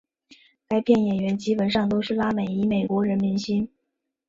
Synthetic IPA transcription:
ka˥ɪpʰjɛ˥˩njɛ˨˩nɥɛ˧˥nt͡ɕi˥pə˨˩nʂɑ˥˩ŋt̪o˥ʊʂɻ̩˥˩la˥me˨˩ɪi˧˥me˨˩ɪkwɔ˧˥ɻə˧˥nmi˧˥nɕi˥n

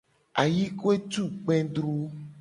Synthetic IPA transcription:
a˨ji˦ko˦e˦t̪u˦˨k͡pɛ̃˦dɾu˦

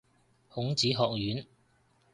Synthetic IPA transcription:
hʊ˨˥ŋt͡siː˨˥ɦɔː˧k̚jyː˨˥n

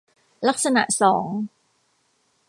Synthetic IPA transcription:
la˦˥k̚sa˧na̰˨˩ʔsɔː˩˦ŋ

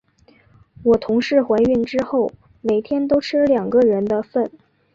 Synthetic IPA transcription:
wɔ˨˩t̪ʰʊ˧˥ŋʂɻ̩˥˩xwe˧˥ɪy˥˩nʈ͡ʂɻ̩˥xo˥˩ʊ | me˨˩ɪt̪ʰjɛ˥nt̪o˥ʊʈ͡ʂʰɻ̩˥ljɑ˨˩ŋɡə˧ɻə˧˥nd̪ə˧fə˥˩n

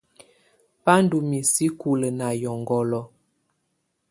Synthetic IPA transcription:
pa˦n˦du˨mi˨si˦ku˨lə˨na˨jɔ˨ŋɡɔ˨lɔ˨˦

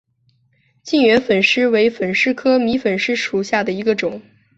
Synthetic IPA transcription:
t͡ɕi˥˩ŋɥɛ˧˥nfə˨˩nʂɻ̩˥we˧˥ɪfə˨˩nʂɻ̩˥kʰɤ˥mi˧˥fə˨˩nʂɻ̩˥ʂu˨˩ɕja˥˩d̪ə˩i˧˥ɡə˧ʈ͡ʂʊ˨˩˦ŋ

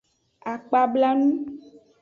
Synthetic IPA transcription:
a˨k͡pa˨bla˦nũ˦

